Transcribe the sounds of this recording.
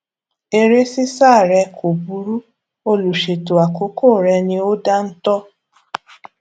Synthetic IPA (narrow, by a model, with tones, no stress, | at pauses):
e˧ɾe˦si˦sa˦˨ɾɛ˧kʰo˨bu˨˦ɾu˦ | o˧lu˨ʃe˨to˨a˨ko˨˦ko˦˨ɾɛ˧nĩ˧o˦da˦n̩˦tɔ˦